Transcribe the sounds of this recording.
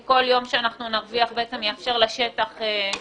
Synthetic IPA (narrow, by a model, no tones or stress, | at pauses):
ko̞ljo̞mʃeanaχnunaʁviaχbeet͡se̞mjeafʃe̞ʁlaʃe̞t̪aχe